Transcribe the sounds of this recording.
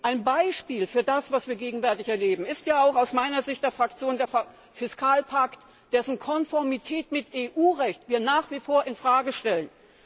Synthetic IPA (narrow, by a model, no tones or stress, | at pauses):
ʔaɪnbaɪʃpiːlfyːɐdasv̥asv̥iːɐɡeːɡŋ̩vɛɐtɪçɛɐleːbm̩ɪstjaːaʊxaʊsmaɪnɐzɪçt̚d̥eːɐfʁ̥ak̚t͡sjoːndeːɐf | fɪskʰaːlpʰakt | d̥ɛsn̩kʰɔnfɔɐmitʰɛːtmɪtʔeːʔuːʁɛçtv̥iːɐnaːχv̥ifoːɐɪnfʁ̥aːɡəʃtɛlən